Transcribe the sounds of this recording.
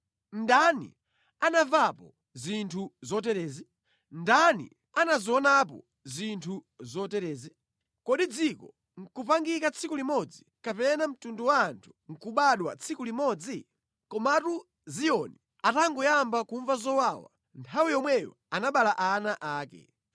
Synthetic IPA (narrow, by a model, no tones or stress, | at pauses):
ndanḭ | anavapɔ | zintʰuzɔtɛɾɛːzi | ndanḭ | anaziɔnapɔ̰ | zintʰu | zɔtɛɾɛːzi | kɔɗid͡zikɔ | ŋ̩kupaŋɡikat͡sʰikulimɔd͡zi | kapɛnam̩tunduwaːntʰu̥ŋ̩kuɓaɗwa̰t͡sʰikulimɔd͡zi | kɔmatu | zijɔni | ataŋɡɔjambakuɱvazɔwawa̰ | ntʰawijɔmwɛjɔ̰ | anaɓalaʔanaʔaːkɛ̰